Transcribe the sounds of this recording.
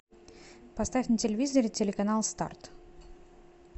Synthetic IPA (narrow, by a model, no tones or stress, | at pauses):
pɐst̪afʲnətʲɪlʲɪvʲizəɾʲɪtʲɪlʲɪkɐnalˠst̪a̰rt̪